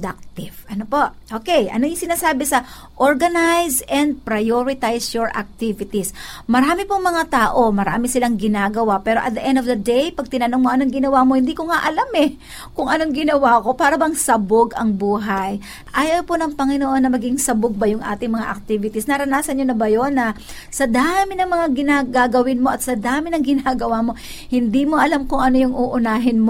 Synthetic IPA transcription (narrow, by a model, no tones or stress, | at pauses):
d̪ak̚t̪ɪv̥ʔɐnopo̞ʔʔoːkɛjʔɐ̰nojʊŋsɪnaːsaːbɛsɐ | ʔoɹɡɐnajsɛnd̪̚pɾɐjoɹɪt̪ajsjoɹʔɐ̰k̚t̪ivɪt̪ismɐɾaːmɪpʊŋmɐŋat̪aːʔo̞mɐɾa̰ːmɪsɪlaŋɡɪnaːɡɐwapɛːɾoʔɐ̰t̪̚d̪ɐʔɛnd̪ovd̪ɐd̪ejpɐɡ̚t̪ɪnɐnoŋmoʔɐnoŋɡɪnɐwaːmo̞hɪnd̪ikoŋaʔɐlamɛ | kʊŋʔɐno̞ŋɡɪnɐwaːko̞paːɾɐbɐŋsɐboɡʔɐŋbuːɦaj | ʔaːjɐponɐŋpɐŋɪnoʔo̞nːɐmɐɡɪŋsɐboɡ̚bɐjʊŋʔa̰ːt̪ɪŋmɐŋa̰ʔɐk̚t̪iːvɪt̪isnɐɾɐnaːsɐnɲonɐbɐjonːɐ | sɐd̪aːmɪnɐŋmɐŋaɡɪnaɡaɡɐwɪnmo̞ʔɐt̪sɐd̪aːmɪnɐŋɡɪnaːɡɐwaːmo̞ | hɪnd̪imo̞ʔɐlamkʊŋɐno̞jʊŋʔuːʔʊnaːɦɪnm